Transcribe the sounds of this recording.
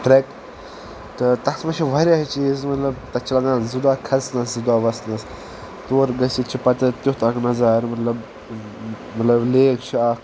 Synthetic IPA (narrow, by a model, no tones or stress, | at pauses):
ʈɾek | ʈɐt̪ɐsmɐt͡ʃʰiʋɐɾʲjaɦt͡ʃiːzmɐt̪lɐb̚t̪ɐt͡ʃʰilɐɡaːnzud̪aːkʰɐsnɐszud̪aːʋɐsnɐs | t̪oːɾɡɐsit͡ʃʰipɐt̪ɐt̪ut̪ɐknɐzaːɾmɐt̪lɐb | mɐt̪lɐbleːkt͡ʃʰiaːk